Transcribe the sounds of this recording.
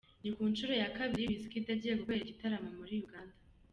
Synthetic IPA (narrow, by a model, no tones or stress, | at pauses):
nikuːnt͡ʃuɾo̞jakaβiɾiβisikitaɟiekukwejeɟitaɾamomuɾijuɡaːnda